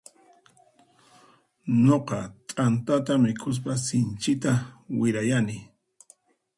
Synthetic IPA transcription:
ɲoqɑt̪ʼant̪at̪amɪkʰʊs̬pasɪnt͡ʃɪt̪awɪɾajanɪ

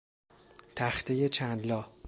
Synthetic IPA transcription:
t̪ʰæxt̪ʰejet͡ʃʰænd̪lɒːh

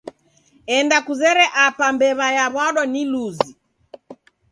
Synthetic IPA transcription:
ɛndakuzɛɾɛʔapambɛβajaβaɗɔniluzi

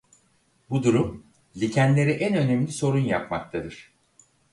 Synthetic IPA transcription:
bud̪uɾum | lʲicʰænlʲe̞ɾiʔænø̞nemlʲiso̞ɾunjapma̰k̚t̪ʰad̪ɯɾ̥

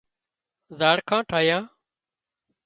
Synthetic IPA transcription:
zaːɽkʰãːʈʰaːjãː

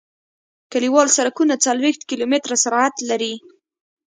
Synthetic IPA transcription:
kaliwɑlsaɾakunat͡salwext̪̚kilomɪt̪ɾasaɾɑat̪laɾi

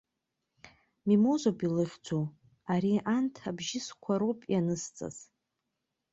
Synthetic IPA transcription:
mimozʷapʼilɨχʲd͡zʷo | aɾiʔantʰabʒɪskʷʰaɾowpʼjanɨst͡sʼa̰z̥

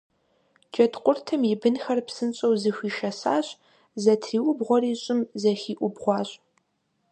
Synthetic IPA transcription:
d͡ʒʼɐtqʷʼʊrtʰɐmjɪbɨnxɐrpsɨnɕʼɐwzɨxʷiːʃɐsaːɕʼ | zɐtʰriːwʊbʁʷɔriːɕʼɪmzɐxiːʔʷʊbʁʷɑːɕʼ

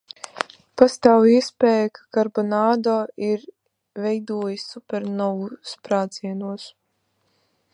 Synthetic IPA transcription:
past̪aːwiɛspʲɛːjakʰḁkaɾbɔnaːd̪ɔːiɾ | vɛjd̪uɔjisʲːupʲɛɾnɔwuspɾaːt̪siɛnuɔs

